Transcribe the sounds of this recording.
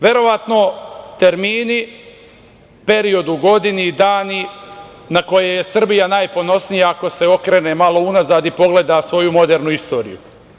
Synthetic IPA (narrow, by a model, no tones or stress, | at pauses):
ʋe̞ɾo̞ʋat̪no̞t̪e̞ɾmiːni | pe̞ɾio̞d̪uɡo̞d̪inid̪aːni | nako̞jejesr̩bijanaːjpo̞no̞snijaːko̞se̞o̞kɾeːnemalo̞unazaːd̪ipo̞ɡle̞d̪asʋo̞jumo̞d̪e̞ːɾnuist̪o̞ːɾḭjṵ